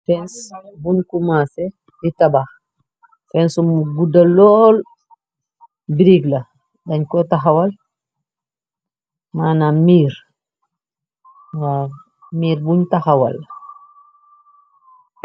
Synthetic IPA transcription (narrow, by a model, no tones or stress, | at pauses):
fɛnsbunkumase | ditabax | fɛnsumuɡudalɔːl | biɾiɡlɐ | daɲkɔtaɦawal | manamiːɾ | wa | miːɾbuɲtahawa̰l